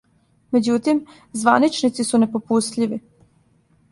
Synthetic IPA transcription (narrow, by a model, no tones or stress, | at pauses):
me̞d͡ʑut̪im | zʋanit͡ʃnit̪sisunepopust̪ʎiʋi